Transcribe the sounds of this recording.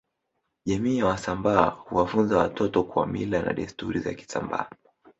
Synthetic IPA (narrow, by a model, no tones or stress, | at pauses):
ʄamiːjawasambaːhuwafunzawatɔtɔkua̰milana̰ɗistuɾiza̰ki̥samba̰ː